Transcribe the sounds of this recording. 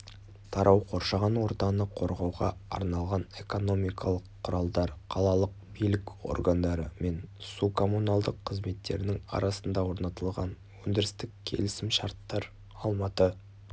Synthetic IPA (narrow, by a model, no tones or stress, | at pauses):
t̪ʰɑɾʔɑwqʰo̞ɾʃɑʁənwo̞ɾt̪ɑnəqʰo̞ɾʁɑwʁɑɑ̰ɾnɑlˠʁɑne̞ko̞no̞mijkʰɑlˠəqʰːʊɾɑlˠd̪ɑɾqʰɑlˠɑlˠəq̚bijlɪko̞̰rɡand̪ɑɾəme̞nsukʰo̞munɑlˠd̪əqʰːəzme̞t̪ːe̞̰ɾɪnɪŋɑ̰ɾɑsənd̪ɑwo̞ɾnɑt̪əlˠʁɑ̰n | wɵnd̪ɪɾɪst̪ɪkʲʰe̞̰lɪsɪmʃɑɾt̪ːɑɾ | ɑlˠmɑt̪ə